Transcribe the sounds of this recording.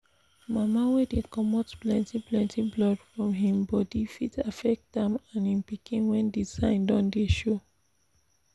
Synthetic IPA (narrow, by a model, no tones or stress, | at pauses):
mamawedekɔmɔtplɛ̃ntiplɛ̃ntʰiblɔdfɹɔ̃mɦĩmbɔdifitafɛk̚tdɛ̃mãnĩnpikĩnwɛ̃ndizãɪ̃ndɔ̃ndeʃo